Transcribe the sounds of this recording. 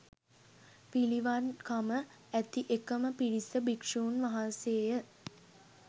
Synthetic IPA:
piliʋankamə | æt̪iʔekəməpiɽisəbikʂuːnʋaɦanseːjə

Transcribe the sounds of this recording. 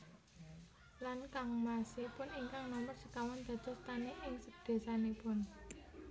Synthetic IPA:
lankaŋmasɪpʊniŋkaŋnɔmərsəkawɔnd̪̥ä̤d̪̥ɔ̤st̪aneʔɪŋsəd̪̥e̤sanepʊn

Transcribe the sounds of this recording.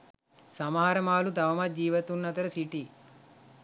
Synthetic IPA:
sɐmaːɾɐmaːlud̪ɐʋɐmɐd͡ʒiːʋɐt̪unːɐt̪ɐɾɐsiʈi

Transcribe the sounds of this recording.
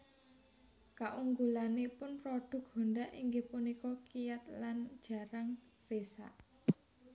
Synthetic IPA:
kaʔuŋɡulanepʊnpɾɔɖ̥ʊ̤k̚honɖaʔiŋɡepunikɔkijat̪land̥ʒ̥ä̤ɾaŋ | resa̰ʔ

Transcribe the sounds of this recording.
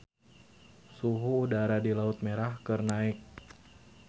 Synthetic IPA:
suɦuːdaɾadilaʊt̪̚meɾahkɨrnaɪk̚

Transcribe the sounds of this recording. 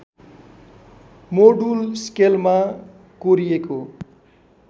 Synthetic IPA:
moɖulskelma | koɾijeko

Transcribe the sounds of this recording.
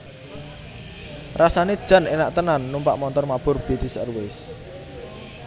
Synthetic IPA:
rasaned̥ʒ̥a̤nenaʔt̪ənanːumpa̰ʔmɔnt̪ɔrmab̥ʊ̤rb̥et̪ɪsə̰rwɪs

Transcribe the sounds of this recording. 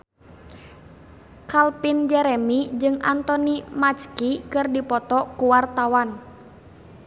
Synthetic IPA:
kalpind͡ʒɛɾɛmid͡ʒɨŋant̪ɔnimat͡ʃkikɨrdipɔt̪ɔkuwart̪awan

